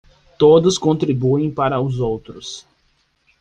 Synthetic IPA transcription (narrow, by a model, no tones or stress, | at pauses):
t̪od̪ʊskõnt̪ɾibuẽj̃paɾɐʊzowt̪ɾʊs